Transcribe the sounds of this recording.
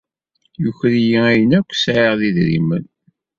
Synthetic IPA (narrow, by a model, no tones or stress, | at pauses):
juçɾijiæjənækʷːsʕeʁðiðɾḭmən